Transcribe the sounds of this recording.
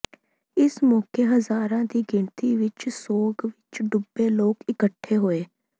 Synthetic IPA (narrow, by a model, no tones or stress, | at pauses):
ɪsmɔːkeːɦəzaːɾãːd̪iːɡɪɳt̪iːʋɪt͡ʃsoːɡʋɪt͡ʃɖʊbeːloːkɪkəʈʰːeːɦoːeː